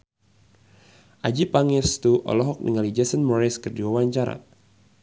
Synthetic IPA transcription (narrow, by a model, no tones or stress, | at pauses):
ʔad͡ʒipaŋɪrst̪uʔɔ̰lɔɦɔk̚nḭŋalid͡ʒɛsənmɔɾɛskərdiwawaɲt͡ʃaɾa̰